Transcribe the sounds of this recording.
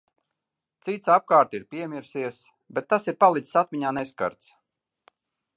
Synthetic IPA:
t̪sit̪sap̚kaːɾt̪iɾpʲiɛmiɾsiɛs | bɛt̪ːasiɾpalˠit̪ssat̪mʲiɲaːnɛska̰ɾt̪s

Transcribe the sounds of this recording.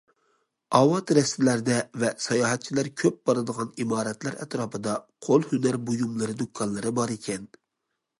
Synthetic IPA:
ɑwɑt̪ɾɛst̪ɪlæɾd̪ɛvɛsɑjɑːɦɛt̪̚t͡ʃʰilæɾkʲʰøp̚bɑɾɨd̪əʁɑnimɑːɾɛt̪læɾɛ̰t̪ɾɑːpʰɨd̪ɑqʰolˠhynæɾbojumlˠɨɾɨd̪ukʰːɑnlˠɨɾɨbɑɾekʲʰɛn

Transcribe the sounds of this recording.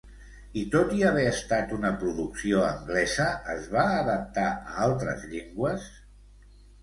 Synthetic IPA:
it̪ot̪iəβ̞ɛəst̪at̪unəpɾuðuksioəŋɡlɛzəːzβaːðəp̚t̪aə̰alˠt̪ɾə̰zʎeŋɡwəs

